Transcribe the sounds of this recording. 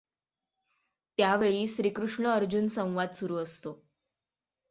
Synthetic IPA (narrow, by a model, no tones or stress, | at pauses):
t̪jaʋeɭiːɕɾikɾuʂɳəəɾd͡ʑunsə̃w̃ʋad̪suɾuːəst̪o